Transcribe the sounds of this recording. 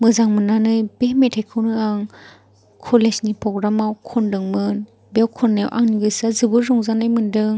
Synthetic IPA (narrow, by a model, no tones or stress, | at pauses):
mɯzaŋmɯnanɯjbemetʰajkʰɯwnɯaŋ | kʰɔlesnipɾɔɡɾamawkʰɔndɯŋmɯn | bewkʰɔnːawʔa̰ŋniɡɯsazɯbɯzɔŋzanajmɯndɯŋ